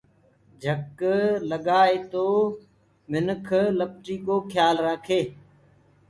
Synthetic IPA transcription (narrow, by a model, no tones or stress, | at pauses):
d͡ʒʱəkləɠaːeːt̪oː | mɪnkʰləp̚ʈiːkoːkʰjaːlɾaːkʰeː